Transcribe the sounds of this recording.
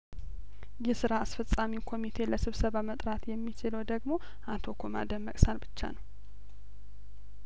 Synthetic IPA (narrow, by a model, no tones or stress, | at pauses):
jɛsɨɾaːsfəsʼamikʰo̞mit̪ʰe̞ləsɨβsəβamət̪ʼɾat̪jɛmːit͡ʃɪləwd̪əɡmo̞ | ʔat̪ʰo̞kʰoma̰d̪əmːəkʼsanbɨt͡ʃːa̰nəw